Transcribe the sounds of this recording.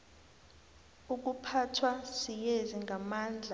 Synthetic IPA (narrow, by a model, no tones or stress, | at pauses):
uk̬upʰatʰwasijeziŋɡamaːnd͡ɮʱa